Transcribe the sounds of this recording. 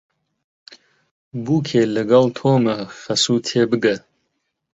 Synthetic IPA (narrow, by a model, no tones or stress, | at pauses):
buːkʰeːlɨɡɐlt̪ʰoːmɨfɐsuːt̪ʰeːbɨɡɐ